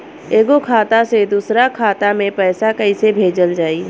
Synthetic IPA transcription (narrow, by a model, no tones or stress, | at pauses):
eːɡokʰaːt̪ased̪uːsɾakʰaːt̪amẽpɛːsakɐisebʱeːd͡ʒəld͡ʒaːi